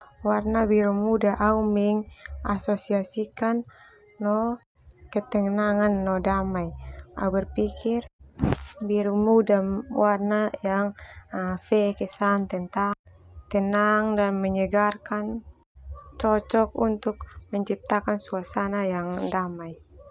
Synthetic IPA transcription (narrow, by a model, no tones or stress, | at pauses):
warnabiɾumudaʔaumiŋasɔsiasikanː | ɔ | kɛt̪ɛŋnaŋanːɔdamaia̰ubɛrpikir | biɾumudawarnajaŋ | fɛkɛsant̪ɛnt̪aŋ | t̪ɛnaŋdanmɛɲɛɡarkan | t͡ʃɔt͡ʃɔkunt̪uk̚mɛɲt͡ʃip̚t̪akansuasanajaŋdamai